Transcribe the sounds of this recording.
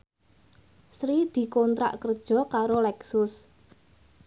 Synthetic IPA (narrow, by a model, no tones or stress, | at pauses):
sɾid̪̥i̤kont̪ɾa̰ʔkərd̥ʒ̥ɔ̤kaɾolɛksʊs